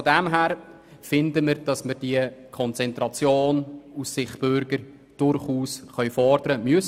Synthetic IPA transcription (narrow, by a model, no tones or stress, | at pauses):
ɔdɛmɦæːɾ | fɪndəmɪɾd̥ɑsməɾd̥iəkʰɔnt͡sɛntʁɑt͡sjoːnusːɪχb̥ʏɾɡəɾ | d̥ʊrɾχuːsχœʏfɔɾdəɾəmyəs